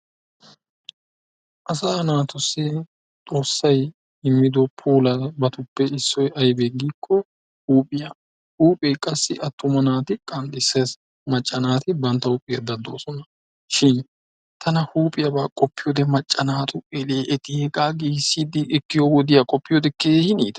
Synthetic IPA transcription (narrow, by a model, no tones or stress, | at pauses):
ʔɐs̬aːnaːt̪ʊsːɪ | t̪ʼo̞ːsːɐj | ɪmːɪd̪ɔpʰuːlɐbɐt̪ʊpːɛɪsːɔjɐjbeːɡiːkʰːɔ | huːpʼɪja | huːpʼɛjkʼɐsːɪʔɐt̪ːʊmɐnaːt̪ɪkʼɐnd̪ɪsːes | mɐt͡ʃʼːɐnaːt̪ɪbɐnt̪ːɐʊpʼːɪjɐd̪ɐd̪o̞ːsɔnɐ | ʃɪn | t̪ʰɐnɐhuːpʼɪjɐbaːkʼɔpːɪjoːd̪ɛmɐt͡ʃʼːɐnaːt̪ʰʊɛleːʔɛt̪ɪhɛkʼaːɡiːsːiːd̪ɪʔɪkːɪjowɔd̪ɪjakʼɔpːɪjoːd̪ɛkeːhɪniːd̪ɐ